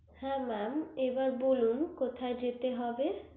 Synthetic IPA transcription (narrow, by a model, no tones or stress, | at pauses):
hɛ̃mamebaɾbolumkot̪ʰaed͡ʑet̪eɦɔbe